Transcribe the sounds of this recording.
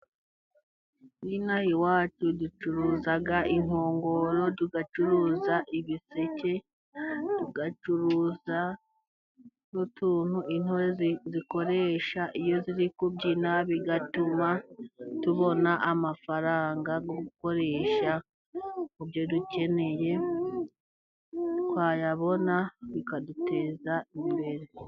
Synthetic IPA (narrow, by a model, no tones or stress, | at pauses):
winahiwaːt͡ʃudut͡ʃuɾuzaɡaʔin̥oːŋɡo̞ɾo̞duɡat͡ʃuɾuzaʔiβisece̞ | d̥uɡat͡ʃuɾuza | notuːn̥huʔin̥hoɾeziko̞ɾe̞ʃaʔijo̞ziɾikubɟinaβiɡatumatuβo̞naʔamafaɾaːŋɡaɡo̞ɡuko̞ɾe̞ːʃa | ubjo̞duce̞ne̞je̞ | twaːjaβo̞naβikadute̞ːzaiβiβe̞ɾe̞